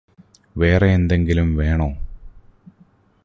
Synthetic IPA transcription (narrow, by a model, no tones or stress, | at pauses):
ʋeːreːnd̪e̞ŋɡilumʋe̞ːɳoː